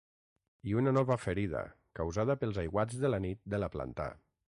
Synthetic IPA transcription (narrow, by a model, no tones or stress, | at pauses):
iunanɔβəfəɾiðə̰ | kawzaðəpəlˠzajɣwad͡zðəlanit̪̚d̪əlapla̰nt̪a̰